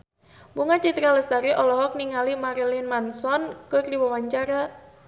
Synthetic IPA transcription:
buŋat͡ʃit̪ɾaləst̪aɾiʔɔlɔɦɔk̚niŋalimaɾlinmansɔnkɨrdiwawaɲt͡ʃaɾa

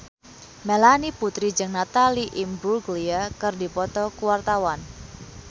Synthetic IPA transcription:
melaniput̪ɾid͡ʒəŋnat̪aliʔimbulɡliakɨrdipɔt̪ɔkuwart̪awan

